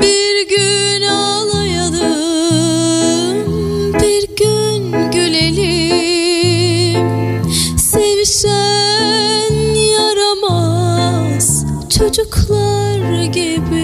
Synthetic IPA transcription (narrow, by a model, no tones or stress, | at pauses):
biɾɟy | naa | lˠajad̪ɯ | m | biɾɟy | nɟyleli | m | se̞vʃæ | njaɾama | z̥t͡ʃʰo̞d͡ʒuklˠaɾaɟibi